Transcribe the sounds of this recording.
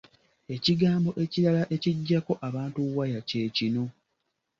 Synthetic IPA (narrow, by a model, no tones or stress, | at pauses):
e̞ciɡaːmbo̞ʔe̞ciɾalaʔe̞ciɟːako̞ʔaβaːntuwːajace̞ːcino̞